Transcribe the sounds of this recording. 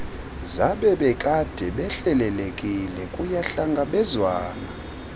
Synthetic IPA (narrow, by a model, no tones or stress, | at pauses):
zaɓɛɓɛkʼad̥ʱɛɓɛɬɛlɛlekʼilɛkʼujaɬaŋɡʱaɓɛzwaːna